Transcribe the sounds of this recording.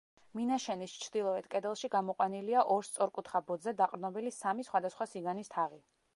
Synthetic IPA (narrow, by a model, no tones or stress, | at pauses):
minaʃɛnist͡ʃʰɾd̪̥ilˠɔɛt̪ʰkʼɛd̪ɛlˠʃiɡamɔqʼwaniliaʔɔɾst̪sʼɔɾkʼut̪ʰχabɔd̪zɛd̪aqʼɾnɔbilisamisχwad̪asχwasiɡanist̪ʰaʁi